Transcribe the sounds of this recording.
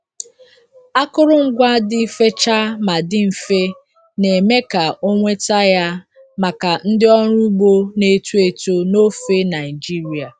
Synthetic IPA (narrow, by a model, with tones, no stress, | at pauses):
a˦kʊ˦ɾʊ˦ŋ̩˦ɡʷa˦dɪ˦fe˦t͡ʃa˦ma˨dɪ˦m̩˨fe˦ | ne˨me˦ka˨o˦ŋʷe˦ta˦ja˦ | ma˨ka˨n̩˦dɪ˦ɔ˦ɾʊ˦ɡ͡bo˦ne˦tu˦e˦˨to˦no˦fe˦na˨ɪ˨d͡ʒi˦ɾi˨a˨